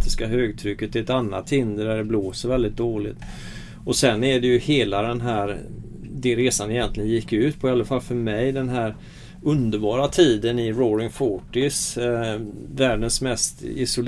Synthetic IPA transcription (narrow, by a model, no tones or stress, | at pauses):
t̪ɪskaɦøːɡ̚t̪ʰɾʏkːət̪̚d̪ɛɛt̪anːa̰t̪ʰːɪnd̪əɖæɖɛbloːsəɾvɛld̪ɪt̪̚d̪oːlɪ̰t̪ | ɔsɛnːæɖɛjɵheːlad̪ɛnɦæːɾ | d̪ɛɾeːsanɛɪjɛnt̪lɪɡənjɪkːʉ̟ːt̪pʰɔɪaləfalfœɾmɛjd̪ɛnɦæːɾ | ɵnd̪əɾbɑːɾat̪ʰiːd̪ənɪɾɔɾɪŋfɔʈɪs | væːɖənsmɛst̪ɪ̰sʊl